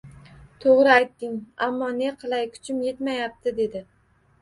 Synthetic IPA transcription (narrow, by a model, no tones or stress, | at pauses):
t̪ʰoʁɾɪajt̪ːɪŋamːɒne̞qʰɨlˠajkʰʊ̥t͡ʃʰɪmje̞t̪majap̚t̪ʰɪd̪e̞d̪ɪ